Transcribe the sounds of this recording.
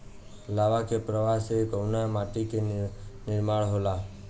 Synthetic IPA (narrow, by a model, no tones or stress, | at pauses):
laʋakepɾəʋasekəwnamaʈikenɪɾmaɽɦola